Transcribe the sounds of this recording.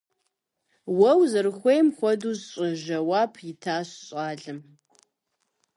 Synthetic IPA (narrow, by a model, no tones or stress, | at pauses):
wɐwzɨrɨxʷejmxʷɔduːzɕʼɪʒɐwaːpʰjɪtʰaːɕɕʼaːɮɨm